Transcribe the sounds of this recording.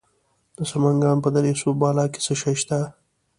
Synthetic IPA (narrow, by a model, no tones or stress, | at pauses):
d̪̥əsamaŋɡɑːnpəd̪aɾesobɑːlɑke̥səʃaʃt̪a